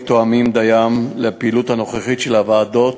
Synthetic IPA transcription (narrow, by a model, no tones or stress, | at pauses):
t̪oamimd̪ajamlepeiluthano̞χeχitʃelavaːd̪o̞t